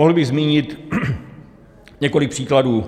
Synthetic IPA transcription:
oɦl̩bɪɣzmiːɲɪt̪ | ɲɛko̞lɪk̚pr̥iːkladuː

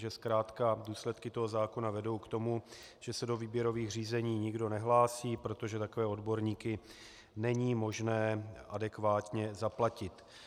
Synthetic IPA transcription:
ʒɛskɾaːt̪kaduːslɛt̪kɪt̪o̞ɦo̞zaːko̞navɛdo̞wkt̪o̞mu | ʒ̥ɛsɛdo̞viːbjɛɾo̞viːxr̝iːzɛɲiːɲɪɡdo̞nɛɦlaːsiːpɾo̞t̪o̞ʒɛt̪akovɛːo̞dbo̞ɾɲiːkɪ | nɛɲiːmo̞ʒnɛːʔadɛkvaːt̪ɲɛzaplacɪt̪

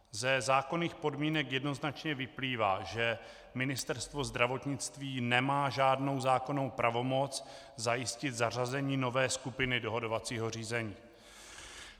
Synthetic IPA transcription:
zɛzaːko̞niːxpo̞dmiːnɛkjɛdno̞znat͡ʃɲɛvɪpliːvaːʒɛ | mɪnɪst̪ɛɾst̪vo̞zd̪ɾavo̞t̪ɲɪt͡st̪viːnɛmaːʒaːdno̞wzaːko̞no̞wpɾʔavo̞mo̞t͡s | zajɪscɪt̪zar̝azɛɲiːno̞vɛːskupɪnɪdoɦo̞do̞vat͡siːɦo̞r̝iːzɛɲiː

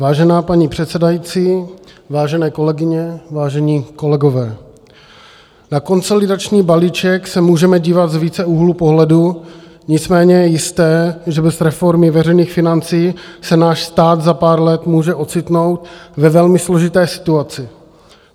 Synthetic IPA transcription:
vaːʒɛnaːpaɲipr̝̥ɛt̪sɛdajit͡siːvaːʒɛnɛːko̞lɛɡɪɲɛvaːʒɛɲiːko̞lɛɡo̞vɛː | nako̞nso̞lɪdat͡ʃɲiːbaliːt͡ʃɛksɛmuːʒɛmɛɟiːvat̪zviːt͡sɛuɦlupo̞ɦlɛdu | ɲɪt͡smɛːɲɛjɛjɪst̪ɛːʒɛbɛzɾɛfo̞ɾmɪvɛrɛjniːxfɪnant͡siːsɛnaːʃst̪aːd̪zapaːɾlɛt̪muːʒɛʔo̞t͡sɪt̪no̞wt̪vɛvɛlmɪslo̞ʒɪt̪ɛːsɪ̥t̪uat͡sɪ

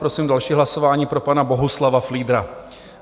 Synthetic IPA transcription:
ɾo̞siːmdalʃiːɦlaso̞vaːɲiːpɾo̞panabo̞ɦuslavafliːd̪ɾa

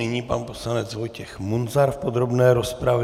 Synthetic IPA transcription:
ɪɲiːpanpo̞slanɛt͡szvo̞jcɛxmunzaɾfpo̞d̪ɾobnɛːɾo̞spɾav

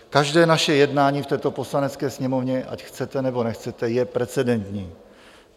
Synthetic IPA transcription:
kaʒdɛːnaʃɛjɛdnaːɲiːft̪ɛːt̪o̞po̞slanɛt͡skɛːsɲɛmo̞vɲɛʔa̰cxt͡sɛt̪ɛnɛbo̞nɛxt͡sɛt̪ɛjɛpɾɛt͡sɛdɛnt̪ɲiː

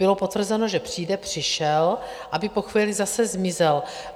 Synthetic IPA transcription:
bɪlo̞po̞t̪vr̩zɛno̞ʒɛpr̝̥iːdɛpr̝̥ɪʃɛl | ʔabɪpo̞xviːlɪzasɛzmɪzɛl

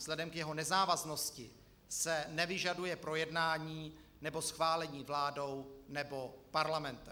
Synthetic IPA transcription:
z̥lɛdɛmkjɛɦo̞nɛzaːvazno̞scɪ | sɛnɛvɪʒadujɛpɾo̞jɛdnaːɲiː | nɛbo̞sxvaːlɛɲiːvlaːdo̞wnɛbo̞paɾlamɛnt̪ɛ

